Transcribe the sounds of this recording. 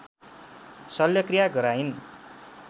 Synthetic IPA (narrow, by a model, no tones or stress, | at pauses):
sʌljʌkrijaɡʌɾain